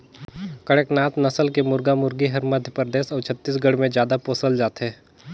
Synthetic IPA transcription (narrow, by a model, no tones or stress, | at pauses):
kəɽəknaːt̪nɐsəlkemʊɾɡamʊɾɡiɦɐɾmɐd̪ʱjəpəɾd̪eːsɔːɾt͡ʃʰət̪ːiːs̬ɡəɽmẽd͡ʒjaːd̪apoːsəld͡ʒaːt̪ɦɛː